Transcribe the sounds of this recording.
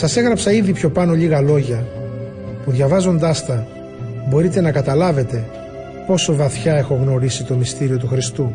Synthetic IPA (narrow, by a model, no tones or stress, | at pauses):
sɐse̞ɣɾɐpsɐiðipço̞pɐno̞ʎiɣɐlo̞ʝɐ | puðʝɐvɐzo̞nd̪ɐst̪ɐ | bo̞ɾit̪e̞nɐkɐt̪ɐlɐve̞t̪e̞ | po̞so̞vɐθçɐe̞xo̞ɣno̞ɾisit̪o̞mist̪iɾio̞t̪uxɾist̪u